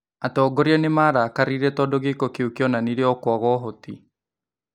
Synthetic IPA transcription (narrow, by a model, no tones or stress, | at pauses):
atɔːɡɔɾiɛnemaːɾakaɾiɾɛtɔdɔɣekokeukiɔnaniɾeɔkwɔɣɔɦoti